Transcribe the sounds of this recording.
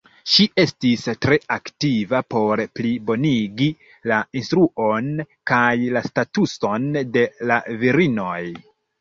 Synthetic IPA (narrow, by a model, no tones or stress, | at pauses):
ʃiʔe̞stistɾe̞aktivapo̞ɾplibo̞niɡi | lainstɾuʔo̞n | kajlastatuso̞nde̞laviɾino̞j